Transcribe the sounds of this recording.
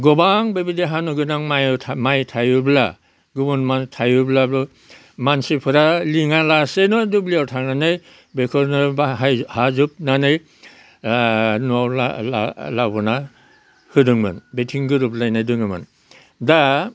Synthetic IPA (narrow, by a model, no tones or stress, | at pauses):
ɡɔbaŋbebideɦanuɡɯnaŋmajtʰamajtʰajubla̰ | ɡɯbunmantʰajɯblablɔ | mansipʰɯɾaliŋalasenɔdubliawtʰaŋnanɯj | bekʰɔɾnɯbaɦhazup̚nanɯj | nuawla̰lalabɔna | hɯdɯŋmɯ̰nbetʰiŋɡɯɾublajnajdɯŋɯmɯ̰n | da